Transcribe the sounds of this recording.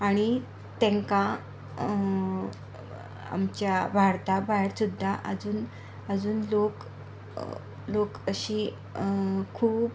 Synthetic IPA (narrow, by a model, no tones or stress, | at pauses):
aɽ̃i | t̪ɛ̃ŋka | a̰mt͡ɕjabʱaɾt̪abaɦeɽsud̪ʱːaʔə̰d͡zuːn | əd͡zuːnlok | lokəɕi | kʰuːp